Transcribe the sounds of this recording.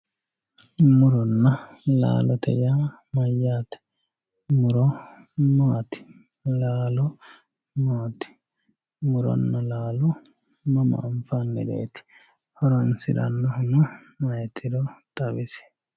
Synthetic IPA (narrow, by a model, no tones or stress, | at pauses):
mʊɾɔnːɐla̰ːlɔt̪ɛ̰ja | mɐjːaːt̪ɛ̥ | mʊɾɔmaːt̪ɪ̥ | laːlɔ | maːt̪ɪ̥ | mʊɾɔ̰nːɐlaːlɔ | mɐmɐ̰ːɱfanːɛ̰ᶑḛːt̪ɪ̥ | hɔɾɐnsɪᶑɐ̰nːɐhʊnʊ | mɐjɛt̪ɪɾot̪ɐbɪsɛ̥